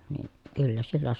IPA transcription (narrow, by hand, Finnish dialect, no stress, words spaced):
niː kylːæ silːæ